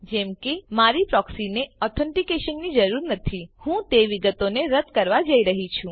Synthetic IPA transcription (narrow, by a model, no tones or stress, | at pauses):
d͡ʒɛmkemaɾipɾɔksineɔt̪ʰəɳʈikeʃənːid͡ʒəɾuɾnət̪ʰihũt̪eʋiɡət̪oneɾəd̪kəɾʋad͡ʒəiɾəɦit͡ʃʰũ